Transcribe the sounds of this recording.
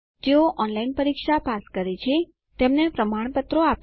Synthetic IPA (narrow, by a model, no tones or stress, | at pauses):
d͡ʒeoʔɔnlainpəɾikʃapaskəɾet͡ʃʰe | t̪emnepɾəmaɽ̃pət̪ɾoap